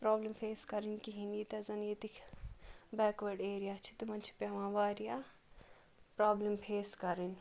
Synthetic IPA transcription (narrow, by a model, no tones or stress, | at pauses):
pɾaːblempʰeːskɐɾinkiɦinit̪ɐzɐnjet̪ikʰ | bɛːkʋɐɾɖeːɾijaːt͡ʃʰi̥t̪imɐnt͡ʃʰi̥pjaʋãːʋaːɾija | pɾaːblempʰeːskɐɾin